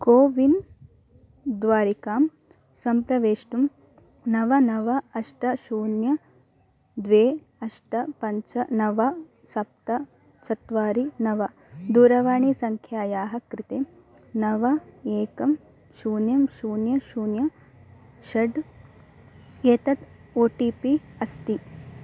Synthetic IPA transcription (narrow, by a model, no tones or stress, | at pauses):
koːʋin | d̪ʋaːɾikaːm | sɐmpɾɐʋeːʂʈum | nɐʋɐnɐʋɐɐʂʈɐʃuːnjɐ | d̪ʋeː | ɐʂʈɐpɐɲt͡ʃɐnɐʋɐ | sɐp̚t̪ɐ | t͡ʃʰɐt̪ʋaːɾinɐʋɐ | d̪uːɾɐʋaːɳisɐŋkʰjaːjaːɦɐkɾɪt̪eː | nɐʋɐeːkɐm | ʃuːnjɐmʃuːnjɐʃuːnjɐ | ʃɐɖ | eːt̪ɐt̪oːʈiːpiɐst̪i